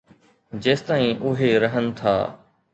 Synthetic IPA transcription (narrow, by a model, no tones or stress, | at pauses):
d͡ʑeːst̪aːĩːʔʊɦeɾəɦənɪ̆t̪ʰa̰ː